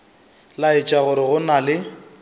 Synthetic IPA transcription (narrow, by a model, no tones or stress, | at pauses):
laɪt͡ʃʼaɣʊɾɪɣʊnalɪ